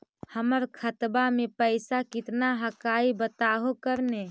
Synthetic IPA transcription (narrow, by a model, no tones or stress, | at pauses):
həməɾkʰət̪bamepəɪsakɪt̪naɦəkaibət̪aɦokəɾne